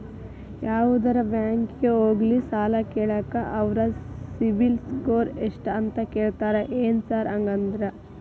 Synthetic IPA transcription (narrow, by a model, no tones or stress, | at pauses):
jaːʋud̪ɐɾɐbjaːŋkɡeoːɡlisaːlɐkeːɭɐːkɐʔɐʋɾɐsibilskoːɾeʂʈɐnt̪ɐkeːɭt̪aːɾeʔeːnsaːɾɐŋɡɐnd̪ɾɐ